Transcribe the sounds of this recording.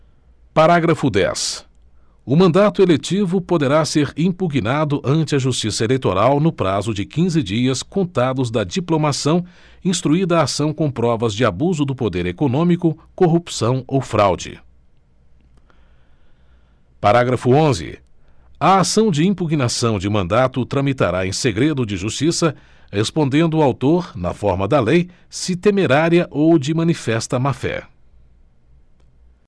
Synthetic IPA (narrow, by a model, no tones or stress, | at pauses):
paɾaɡɾɐfʊd̪ɛ̰s | ʊmɐ̃nd̪at̪ʊelet͡ʃivʊpod̪eɾaseɾĩpuɡinad̪ʊʔɐ̃nt͡ʃɪɐʒust͡ʃisɐelejt̪oɾawnʊpɾazʊd͡ʒɪkĩzɪd͡ʒiɐskõnt̪ad̪ʊzd̪ɐd͡ʒiplomasɐ̃w̃ | ĩst̪ɾuid̪ɐːsɐ̃w̃kõw̃pɾɔvɐzd͡ʒɪabuzʊd̪ʊpod̪eɾekonõmikʊkoɦupsɐ̃w̃owfɾa̰wd͡ʒɪ̰ | paɾaɡɾɐfʊõzɪ̰ | ɐasɐ̃w̃d͡ʒɪĩpuɡnasɐ̃w̃d͡ʒɪmɐ̃nd̪at̪ʊt̪ɾɐ̃mit̪aɾaẽseɡɾed̪ʊd͡ʒɪʒust͡ʃisɐ | hespõnd̪ẽnd̪ʊawt̪oɾnɐ̰fɔɾmɐd̪ɐlej | sɪt̪emeɾaɾiɐʔowd͡ʒɪmɐ̃nifɛst̪ɐmafɛ̰